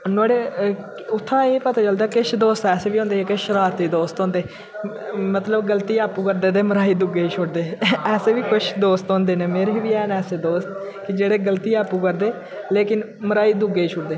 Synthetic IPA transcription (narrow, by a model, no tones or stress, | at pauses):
naːɽeː | ʊt̪ʰːãːeːpət̪aːt͡ʃəld̪aːkɪʃd̪oːst̪ɛːseːʋiːɦõːnd̪eːɛkɪʃəɾaːɾt̪iːd̪oːst̪õːnd̪eː | mət̪ləbɡəlt̪iːaːpuːkəɾd̪eːd̪eːməɾaːiːd̪ʊɡeːiːt͡ʃʰʊʈd̪eːɛːseːʋiːkʊʃʰd̪oːst̪ɦõːnd̪eːneːmeːɾeːʋiːɛːnɛːseːd̪oːst̪ | kɪd͡ʒeːɽeːɡəlt̪iːaːpuːkəɾd̪eː | leːkɪn | məɾaːiːd̪ʊɡeːiːt͡ʃʰʊʈd̪eː